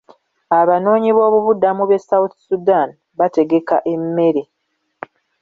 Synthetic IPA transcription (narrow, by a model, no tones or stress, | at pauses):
aβano̞ːɲiβo̞ːβuβudamuβe̞sawuθu̥sudan | βate̞ɡe̞ka̰ʔe̞mːe̞ɾe